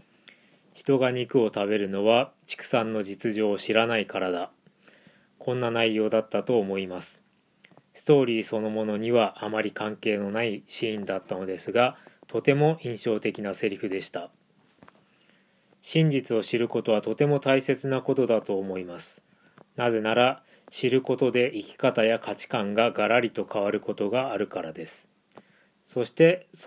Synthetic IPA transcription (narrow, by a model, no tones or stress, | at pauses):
çi̥t̪o̞ɡaɲ̟ikɯ̟o̞t̪aβe̞ɾɯ̟no̞βat͡ɕi̥kɯ̟̥sãnːo̞d͡ʑit͡sɨʑo̞ːɕiɾanaikaɾad̪a | kʰõ̞nːanaijjo̞ːd̪at̪ːat̪o̞ːmo̞imasɨ̥ | sɨ̥t̪o̞ːɾʲiːso̞no̞mo̞no̞ɲ̟iβaʔːmaɾʲikãŋke̞ːno̞naiɕĩːnd̪at̪ːano̞d̪e̞sɨɡat̪ʰo̞t̪e̞mo̞ʔĩɰ̃ɕo̞ːt̪e̞kʲinase̞ɾʲiɸɯ̟d̪e̞ɕi̥t̪a | ɕĩɲ̟d͡ʑit͡sɨo̞ɕiɾɯ̟ko̞t̪o̞β̞at̪o̞t̪e̞mo̞t̪aise̞t͡sɨnako̞t̪o̞d̪at̪o̞ːmo̞imasɨ̥ | naze̞naɾa | ɕiɾɯ̟ko̞t̪o̞d̪e̞ʔikʲi̥kat̪ajakʰat͡ɕi̥kãŋɡaɡaɾaɾʲit̪o̞kʰaβ̞aɾɯ̟ko̞t̪o̞ɡaːɾɯ̟kaɾad̪e̞sɨ̥ | so̞ɕi̥t̪e̞